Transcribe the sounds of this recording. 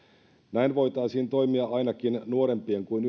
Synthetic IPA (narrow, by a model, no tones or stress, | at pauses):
næjnʋo̞jt̪ɑːsiːnt̪o̞jmiɑɑjnɑkinnuoɾe̞mpieŋkuin